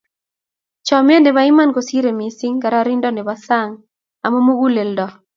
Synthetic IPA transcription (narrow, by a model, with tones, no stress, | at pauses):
t͡ʃɔ˨m˦e˦nde˨ba˦ɪ˦ma˦nko˨si˦ɾe˨mi˨si˦ŋka˨ɾaɾi˦ndɔ˦nɛ˨ba˦sa˦ŋ | a˨mɔ˦mo˦ɡu˦le˨ldɔ˨